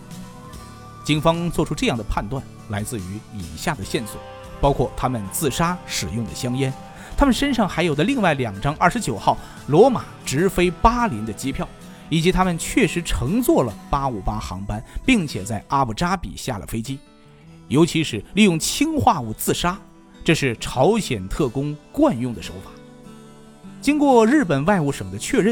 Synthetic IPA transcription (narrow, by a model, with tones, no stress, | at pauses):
t͡ɕi˥ŋfɑ˥ŋt͡swɔ˥˩ʈ͡ʂʰu˥ʈ͡ʂɤ˥˧jɑ˥˩ŋd̪ə˩pʰa˥˧nt̪wa˥˩n | la˧˥ɪt͡sɹ̩˥˩y˧˥i˨˩nɕja˥˩d̪ə˩ɕjɛ˥˩nswɔ̰˨˩˦ | pɑ˥ʊkʰwɔ˥˩t̪ʰa˥mə˨nt͡sɹ̩˥˩ʂa˥ʂɻ̩˨˩jʊ˥˩ŋd̪ə˩ɕjɑ˥ŋjɛ˥n | t̪ʰa˥mə˨nʂə˥nʂɑ˥˩ŋxa˧˥ɪjo˨˩ʊd̪ə˦li˥˧ŋwa˥˩ɪljɑ˨˩ŋʈ͡ʂɑ˥ŋʔɐ˞˥˩ʂ̩˧t͡ɕjo˨˩ʊxɑ˥˩ʊ | lwɔ˧˥ma˨˩ʈ͡ʂɻ̩˧˥fe˥ɪpa˥li˧˥nd̪ə˧t͡ɕi˥pʰjɑ˥˩ʊ | i˨˩t͡ɕi˧˥t̪ʰa˥mə˨nt͡ɕʰɥɛ˥˩ʂɻ̩˧˥ʈ͡ʂʰɤ˧˥ŋt͡swɔ˥˩lə˩pa˥u˨˩pa˥xɑ̰˧˥ŋpa˥npi˥˩ŋt͡ɕʰjɛ˨˩t͡sa˥˩ɪʔa˥pu˥˩ʈ͡ʂa˥pḭ˨˩ɕja̰˥˩lə̰˩fe˥ɪt͡ɕi˥ | jo˧˥ʊt͡ɕʰi˧˥ʂɻ̩˨˩li˥˧jʊ˥˩ŋt͡ɕʰi˥ŋxwa˥˧u˥˩t͡sɹ̩˥˩ʂa˥ | ʈ͡ʂɤ˥˧ʂɻ̩˥˩ʈ͡ʂʰɑ˧˥ʊɕjɛ˨˩nt̪ʰɤ˥˩kʊ˥ŋkwa˥˧njʊ˥˩ŋd̪ə˩ʂo̰˧˥ʊfḁ˨˩˦ | t͡ɕi˥ŋkwɔ˥˧ɻɻ̩˥˩pə˨˩nwa˥˧ɪu˥˩ʂɤ˨˩ŋd̪ə˦t͡ɕʰɥɛ˥˧ɻə˥˩n